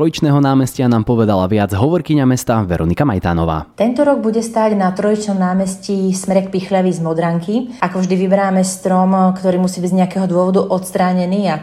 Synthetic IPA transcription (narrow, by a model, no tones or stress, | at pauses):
ɾɔit͡ʃnɛːɦɔnaːmɛscɪanaːmpɔʋɛd̪alaʋɪad͡zɦɔʋɔɾkiɲamɛst̪aʋɛɾɔnikama̰jt̪a̰ːnɔ̰ʋa̰ːt̪ɛnt̪ɔɾɔɡ̚buɟɛst̪aːɟnat̪ɾɔit͡ʃnɔmnaːmɛscismɛɾɛkpixlaʋizmɔd̪ɾaŋkiʔakɔvʒd̪iʋibɛɾaːmɛst̪ɾɔmkt̪ɔɾiːmusiːbiɟɲɛakɛːɦɔd̪ʊɔʋɔd̪uʔɔt̪st̪ɾaːɲɛniːa